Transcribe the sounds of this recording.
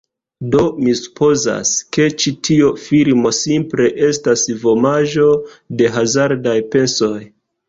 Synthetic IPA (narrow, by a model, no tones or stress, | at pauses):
do̞misu̥pʰo̞za̰ske̞t͡ʃitʰio̞fiɾmo̞simple̞ʔe̞stasvo̞maʒo̞ | de̞ɦazaɾdajpe̞so̞j